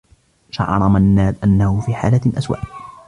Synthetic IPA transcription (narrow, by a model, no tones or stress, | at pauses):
ʃɑ̰ʕɑ̰ɾˤɑmanːaːd̪ʔanːahʊfiːħaːlaʔaswa̰ːʔ